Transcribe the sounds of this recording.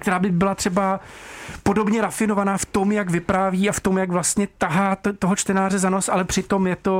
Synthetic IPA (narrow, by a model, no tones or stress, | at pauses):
kt̪ɛɾaːbɪbɪlat̪r̝̥ɛba | po̞do̞bɲɛɾafɪno̞vanaːft̪o̞mjaɡvɪpɾaːviːaft̪o̞mjaɡvlast̪ɲɛt̪aɦaːt̪o̞ɦot͡ʃt̪ɛnaːrɛzano̞sʔalɛpr̥ɪt̪o̞mjɛt̪o̞